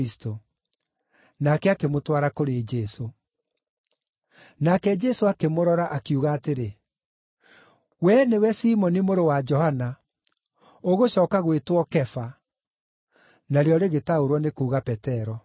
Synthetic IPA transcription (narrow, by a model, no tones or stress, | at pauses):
isi̥to | nakɛakemotwaɾakoɾed͡ʒɛso | nakɛd͡ʒɛsoakemoɾɔɾaʔakjuɣaːteɾe | wɛnewɛsiːmɔnimoɾowad͡ʒɔhana | oɣoɕɔːkaɣwetwɔkɛfa | naɾeɔɾeɣetaoɾwɔnekuːɣapɛtɛɾɔ